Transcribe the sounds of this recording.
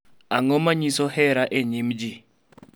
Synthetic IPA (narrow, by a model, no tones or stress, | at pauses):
aŋɔmaɲisɔhɛɾaʔeɲimd͡ʒi